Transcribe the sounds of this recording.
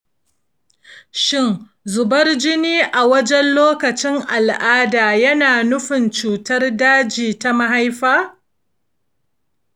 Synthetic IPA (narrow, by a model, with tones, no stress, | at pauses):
ʃɪ˦n | zʊ˨bɐ˦rd͡ʒɪ˦niː˦ʔa˨wɐ˦d͡ʒɛ˦nloː˦kɐ˨t͡ʃɪ˦ŋʔa˨lʔaː˦daː˨jɐ˦naː˨nʊ˦ɸɪ˨nt͡ʃuː˨tɐ˦rdaː˦d͡ʒiː˨ta˦ma˦ɦa˦jɸaː˦